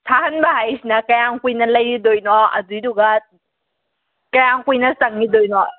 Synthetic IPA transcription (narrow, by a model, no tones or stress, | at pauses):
t̪ʰahanbajsinakaŋkwinaləjidojnɔʔa̰zidukat̚ | kaŋkwinasaŋidojnɔ